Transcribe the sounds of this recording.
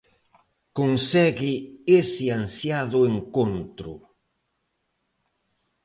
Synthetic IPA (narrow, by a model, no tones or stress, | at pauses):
konsɛɡɪesiansjaðʊeŋkont̪ɾʊ̰